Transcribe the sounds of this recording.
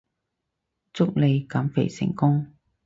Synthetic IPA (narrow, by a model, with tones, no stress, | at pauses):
t͡sʊ˥k̚le˨˧jkɐ˨˥mfḛ˨˩jsɪ̰˨˩ŋkʊ˥ŋ